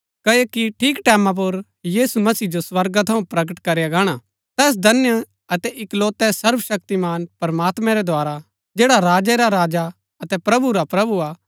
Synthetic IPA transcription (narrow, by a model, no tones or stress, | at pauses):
kɐjekiʈʰiːkʈɛːmãp̬ʊɾ | jiːsumɐsiːd͡ʒoswɐɾɡat̪ʰɐũpɾɐɡəʈkɐɾejaɡaːɽ̃a | t̪ɛːs̬d̪ʱɐnjə | ɐt̪ɛʔɪkloːt̪ɛsɐɾʋəʃɐk̚t̪imaːnpɐɾmaːt̪mɛ̃ɾɛd̪ʱoaːɾa | d͡ʒeːɽaɾaːd͡ʒɛɾaɾaːd͡ʒa | ɐt̪ɛpɾɐbuɾapɾɐbuaː